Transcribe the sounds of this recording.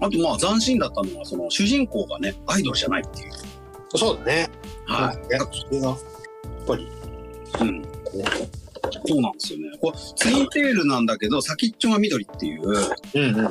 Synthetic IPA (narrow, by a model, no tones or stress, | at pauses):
at̪o̞maːzãɰ̃ɕĩnd̪at̪ːano̞ɡaso̞no̞ɕɨʑĩŋko̞ːɡa̰ne̞aid̪o̞ɾɯ̟ʑanait̪ːe̞jɯ̟ | so̞ːd̪anehaiḁsoeɡa | jaapːaɾʲi | ɯ̟̃ɴ | so̞ːnãnd̪esɨjo̞ne̞koet͡sɨĩnt̪e̞ːɾɯ̟nãnd̪ake̞d̪o̞sakʲit͡ɕːõɡamʲid̪o̞ɾʲit̪ːe̞jɯ̟̰ːɯ̃